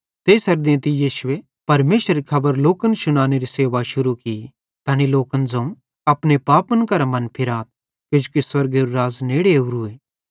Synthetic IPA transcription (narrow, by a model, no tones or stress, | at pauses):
t̪eːsɐɾd̪ẽt̪ijiːʃʊe | pɐɾmeːsɾikʰɐbəɾloːkənʃʊnaːneɾiseːʋaʃʊɾuki | t̪ɐñiloːkənd͡zɐ̃ũ | ɐpnepaːpənkɐɾamɐ̃npʰɪɾaːt̪̚ | ked͡ʒukiswɐɾɡeɾuɾaːzneːɽeuɾueː